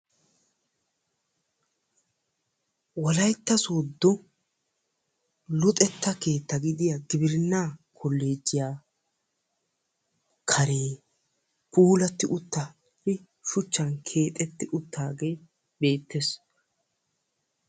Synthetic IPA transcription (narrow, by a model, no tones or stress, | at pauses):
wɔlɐjt̪ːɐsod̪ːɔ | lʊt̪ʼɛt̪ːɐke̞ːt̪ːɐɡɪd̪ɪjɐɡɪbɪɾɪnːaːkʰɔlːe̞ːd͡ʒːɪjaː | kʰɐɾeː | pʼuːlɐt̪ːɪʔʊt̪ːɐ | ɪ | ʃʊt͡ʃːɐnkʰeːt̪ʼɛt̪ːɪʔʊt̪ːaːɡeː | be̞ːt̪ːes